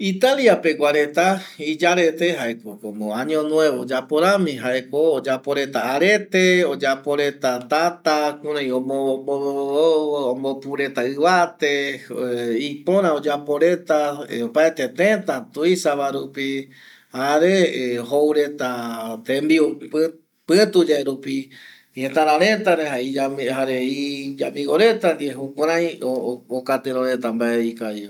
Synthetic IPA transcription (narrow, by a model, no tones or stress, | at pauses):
it̪aliapeɡʷaɾe̞t̪aid͡ʒaɾe̞t̪eɦaekokõmoãɲõnw̃eβeod͡ʒapoɾãmĩɦaekoːd͡ʒapoɾe̞t̪aːɾet̪eod͡ʒapoɾe̞t̪at̪at̪akũɾãj̃õmobo | ombopuɾe̞t̪aɨβat̪e̞ | ipõ̞ɾ̃ãod͡ʒapo̞ɾe̞t̪aopaet̪et̪ẽt̪at̪uisaβaɾupi | haɾeɦowɾet̪at̪ẽmbio | pɨ̃t̪ud͡ʒaeɾupi | ihẽt̪ãɾãɾe̞t̪aɾeɦaiaɦaɾeid͡ʒamĩɡoɾet̪and̪ieɦukʷãɾ̃ãj̃ookat̪eɾoɾet̪ambaʔeikai